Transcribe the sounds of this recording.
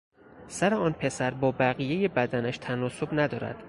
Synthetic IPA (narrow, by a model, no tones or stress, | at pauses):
sæɾeɒːnpʰe̞sæɾbɒːbæɣije̞je̞bæd̪ænæʃt̪ʰænɒːso̞bnæd̪ɒːɾæ̰d̪̥